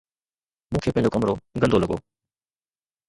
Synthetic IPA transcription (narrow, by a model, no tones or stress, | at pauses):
mũːkʰeːpɐ̃ɪ̃ɲd͡ʑokɐmɾoɡɐ̃nd̪ʱolɐɠo̰ː